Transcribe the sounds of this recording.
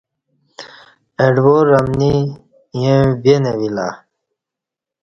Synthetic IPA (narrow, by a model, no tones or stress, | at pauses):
eɖwoɾːɐmni | jẽbenewila̰